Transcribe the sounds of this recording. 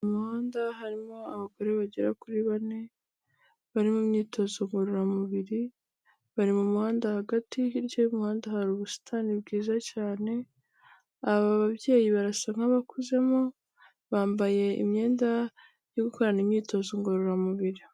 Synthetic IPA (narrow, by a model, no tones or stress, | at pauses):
muhaːndaɦaɾimo̞aβaɡo̞ɾe̞βaɟeɾakuɾiβane̞ | βaɾimumɲiːtʰo̞zoŋɡo̞ɾoɾamuβiɾi | βaɾimumuhaːndahaɡatiiɾɟomuhaːndahaɾuβusi̥tʰanibɡiːzacaːne̞ | aβaβaβje̞ːjiβaɾasaŋ̥aβakuze̞mo | βaːmbaje̞ḭmɲe̞ːnda | joɡuko̞ɾanimɲiːto̞zoŋɡo̞ɾoɾamuβiɾi